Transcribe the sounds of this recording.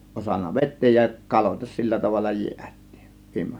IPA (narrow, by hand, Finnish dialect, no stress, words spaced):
osɑnːɑ ʋetˑeːj jɑ kɑloitɑs silːæ tɑʋɑlːɑ jiætˑi̥ːn̥ ʋiːmːo̥